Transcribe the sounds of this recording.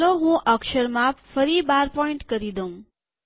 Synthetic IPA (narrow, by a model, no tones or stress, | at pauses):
loɦũʔəkʃəɾmãfəɾibaɾpɔiɳʈkəɾid̪oũ